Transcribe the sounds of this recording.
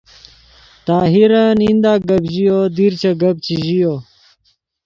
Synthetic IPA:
t̪aːɦiɾɐnĩnd̪aːɡɐbʑijod̪iɾt͡ɕɐɡɐb̚t͡ɕiʑijo

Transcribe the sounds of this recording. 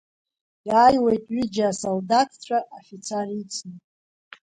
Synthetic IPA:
jaːjwejtʼɥid͡ʒaasoldatʰt͡ɕʷʰaʔofit͡sʰarit͡sʰnɨtʼ

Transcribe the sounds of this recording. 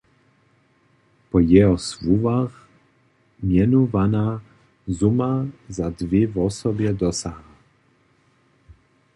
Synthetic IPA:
pɔjɛɦɔsvuvax | mjɛnuvana | zumazad̪vjɪvɔsɔbjɛd̪ɔsaɦa

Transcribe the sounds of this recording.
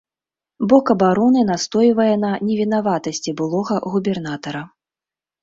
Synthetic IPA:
bɔkɐbaɾɔnɨnast̪ɔjivɐjɛnɐnʲɛvʲinavat̪ɐsʲt͡sʲibɨlˠɔɣɐɣubʲɛrn̪at̪ɐɾɐ

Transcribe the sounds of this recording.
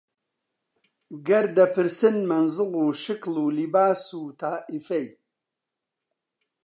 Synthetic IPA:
ɡɐɾd̪ɐpʰɨɾsɨnmɐnzɨluːʃɨkluːlibaːsuːt̪ʰaːʔifɐj

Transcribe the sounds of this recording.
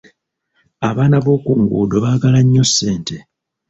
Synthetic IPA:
aβaːnaβo̞ːkuːŋɡṵːdo̞βaːɡalaɲːo̞sːe̞ːnte̞

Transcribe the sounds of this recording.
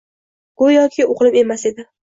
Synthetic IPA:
ɡ̥ʊjɒkʲʰɪoqʰɨlˠɪpe̞mase̞d̪ɪ

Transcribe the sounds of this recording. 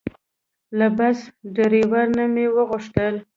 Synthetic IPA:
labasɖaɾewaɾnamewəɣʊʂt̪əl

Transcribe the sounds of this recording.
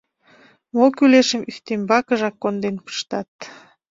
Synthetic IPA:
mokyleʃəmyxt̪embɑkəʒɑkːond̪enpə̥ʃt̪ɑt̪

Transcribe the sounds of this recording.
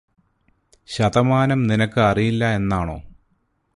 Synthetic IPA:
ɕɐðɐmaːnɐmninɐkːɨɐrijilːɐe̞nːaːɳo̞̰ː

